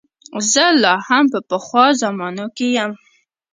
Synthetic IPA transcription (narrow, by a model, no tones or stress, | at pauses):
zəlɑhampəpəxwɑzamɑnokejam